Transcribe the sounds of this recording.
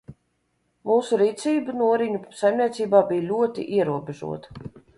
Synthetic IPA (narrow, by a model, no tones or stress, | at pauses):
muːsuɾiːt̪sʲiːbɨnuɔɾiɲusajmnʲiɛt̪siːbaːbijlʲuɔt̪ḭʔiɛɾuɔbeʒṵɔt̪ɐ̥